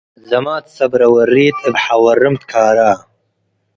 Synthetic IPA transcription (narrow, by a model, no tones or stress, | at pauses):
zɐmaːt̪sɐbɾɐwɐriːt̪ʰɨbħawɐrɨmt̪kʰaːɾaː